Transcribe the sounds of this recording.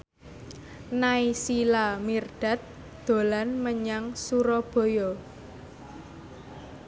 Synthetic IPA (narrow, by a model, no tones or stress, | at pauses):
naisilamirɖ̪̥a̤t̪̚ | d̪̥o̤lanməɲaŋsuɾɔb̥o̤jɔ